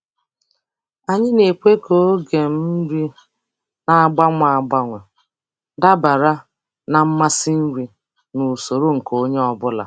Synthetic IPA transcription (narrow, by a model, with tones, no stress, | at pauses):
a˨ɲɪ˦ne˨kʷe˦ko˦ɡe˨m̩˦ɾi˦ | na˨a˦ɡ͡ba˦ŋʷ˦a˨a˨ɡ͡ba˦ŋʷʊ˨ | da˦ba˨ɾa˦ | na˨m̩˦ma˦si˦n̩˦ɾi˦ | nu˨so˨ɾo˦ŋ̩˨ko˦ɲe˦ɔ˦bʊ˦la̰˨